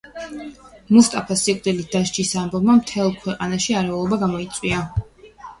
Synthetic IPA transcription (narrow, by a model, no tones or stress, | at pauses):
must̪ʼapʰasikʼd̪ilid̪̥aʃd͡ʒisambɔbmamt̪ʰɛlˠkʰwɛqʼanaʃiaɾɛulˠɔbaɡamɔit̪sʼwia